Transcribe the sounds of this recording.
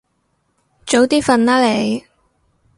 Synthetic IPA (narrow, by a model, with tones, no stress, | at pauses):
t͡so˨˥wt̪iː˥fɐ˨˧nlaː˥le˨˧j